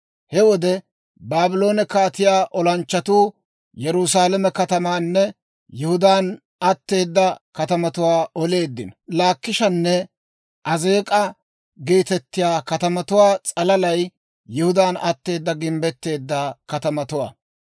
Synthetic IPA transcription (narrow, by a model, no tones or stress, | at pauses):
hɛwɔd̪ɛ | baːbɪlo̞ːnɛkaːt̪ɪjaːʔɔlɐnt͡ʃːɐt̪uː | jɛɾʊsaːlɐmɛkɐt̪ɐmaːnːɛ | jʊhʊd̪aːn | ɐt̪ːe̞ːd̪ːɐkɐt̪ɐmɐt̪ʊwaːɔle̞ːd̪ːɪnlaːkːɪʃɐnːɛ | ʔɐze̞ːkʼɐ | ɡeːt̪ɛt̪ːɪjaːkɐt̪ɐmɐt̪ʊwaːt͡sʼɐlɐlɐj | jʊhʊd̪aːnɐt̪ːe̞ːd̪ːɐɡɪmbɛt̪ːe̞ːd̪ːɐkɐt̪ɐmɐt̪ʊwa̰ː